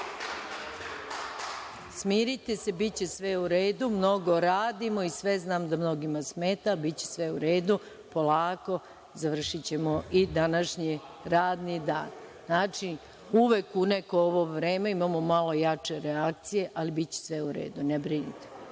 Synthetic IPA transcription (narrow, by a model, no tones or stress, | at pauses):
smiːɾit̪ese̞bit͡ɕe̞sʋe̞uɾeːd̪umno̞ɡo̞ɾaːd̪imo̞isʋe̞znaːmd̪amno̞ɡimasme̞ːt̪alibit͡ɕesʋeuɾeːd̪u | po̞laːko̞ | zaʋr̩ʃit͡ɕe̞moid̪anaʃɲi | ɾaːd̪nid̪a̰ːn | aːt͡ʃi | uʋekunekooʋoʋɾeːmeimamo̞malˠo̞jat͡ʃe̞ɾeak̚t̪sije̞ʔalibit͡ɕe̥sʋeuɾḛːd̪unebɾinit̪e̥